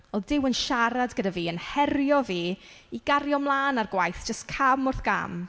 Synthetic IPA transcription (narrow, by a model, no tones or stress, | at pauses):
ɔlˠdɪwənʃaɾadɡədaviːənhɛɾjɔviːiɡaɾjɔmlˠaːnarɡwajθd͡ʒ̥əstkʰamʊrθɡ̥a̰m